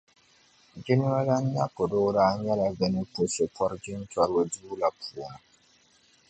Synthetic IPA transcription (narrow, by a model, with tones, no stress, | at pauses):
d͡ʒi˦n˦wa˦la˦nː˦a˦ko˨dɔː˦daː˦ɲɛ˦la˨ɡə˨ni˦po˨so˨pɔ˦ɾd͡ʒɪ˦nta˦ɾwa˦duː˦la˨pʰu˨